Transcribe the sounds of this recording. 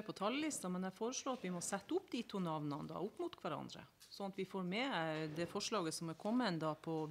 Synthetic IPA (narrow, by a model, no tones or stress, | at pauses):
pʰɔt̪ʰɑlːlɪst̪ɑmɛnɛfoːɾəʂɭoːɾɑt̪ʋɪmɔsɛt̪ːəʊpːd̪iːt̪ʰuːnɑʋnɑnəd̪ɑ̰ːʊpːmut̪kʰʋæɾɑ̰nd̪ɾə̰ | sɔnɑt̪ʋɪfoːɾmɛd̪ɛfɔʂɭɑːɡəsɔmɛkʰɔmːənd̪ɑːpʰɔ